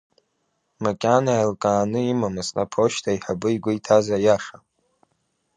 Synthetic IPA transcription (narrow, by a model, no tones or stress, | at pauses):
makʲʼanaalkʼaːnɨimamasnapʰoʃtʰaiħabɨjɡʷʊitʰazajaʂa